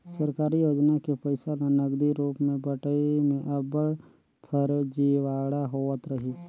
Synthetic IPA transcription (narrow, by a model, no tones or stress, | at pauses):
səɾkaːɾijoːd͡ʒnakepəɪsalanəɡd̪iɾuːpmẽbəʈəimẽʔəbəɽ | pʰəɾd͡ʒiːʋaːɽaɦoːət̪ɾəɦi